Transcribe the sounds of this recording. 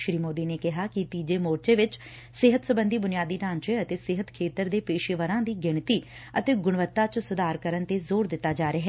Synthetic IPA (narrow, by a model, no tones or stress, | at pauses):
ʃɾiːmoːd̪iːneːkɪɦaːkɪt̪iːd͡ʒeːmoːɾt͡ʃeːʋɪt͡ʃ | sɪɦət̪səbənd̪iːbʊnɪjaːd̪iːʈãːɲt͡ʃeːət̪eːsɪɦət̪kʰeːt̪əɾd̪eːpeːʃeʋəɾãːd̪iːɡɪɳt̪iː | ət̪eːɡʊɽ̃ʋət̪ːaːt͡ʃsʊd̪aːɾkəɾənt̪eːzoːɾd̪ɪt̪ːaːd͡ʒaːɾeɦɛː